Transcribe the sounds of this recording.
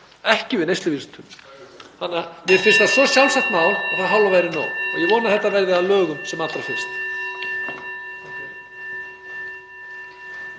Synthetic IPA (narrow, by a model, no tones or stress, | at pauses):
ɛhcɪvɪnejst̪ʏviɾst̪ʰʏm | hanːavɪɾ̥fɪnst̪asɔsjalsaht̪nawɛ̥θaðɦalvavajɾɪna̰ːwɔðjɛvɔːnaθɛht̪ːavɛɾðɪaðlœːɣʏmsɛmalt̪ɾafɪ̥st̪